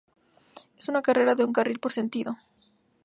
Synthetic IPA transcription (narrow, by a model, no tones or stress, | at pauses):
esunakarʔe̞ɾaðe̞uŋkarilpo̞ɾse̞nt̪iðo